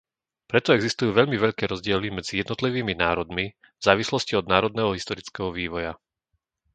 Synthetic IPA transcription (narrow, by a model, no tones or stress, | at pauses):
pɾɛt̪ɔɛɡzist̪ujuːʋɛʎmiʋɛʎkɛːɾɔzɟɪɛlimɛd͡zijɛd̪nɔt̪liʋiːminaːɾɔd̪mi | vz̥aːʋislɔsciɔd̪naːɾɔd̪nɛɦɔɦist̪ɔɾit͡skɛɦɔʋiːʋɔja